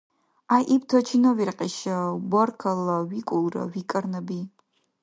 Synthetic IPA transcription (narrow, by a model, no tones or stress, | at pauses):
ajʔiptʰɐt͡ʃʰinɐwirqʼiʃɐbʷɐrkʰɐlɐwikʷʼʊlrɐ̰wikʼɐrnɐbi